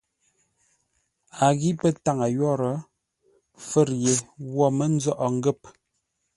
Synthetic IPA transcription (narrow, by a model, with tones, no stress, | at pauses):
a˨ɣi˦pə˦ta˦˨ŋa˨jɔ˦˨ɾə˨˦ | fə˦˨ɾje˨wɔ˦˨mə˦n̩˦d͡zɔ˦ʔɔ˨ŋ̩˦ɡə˦˨p̚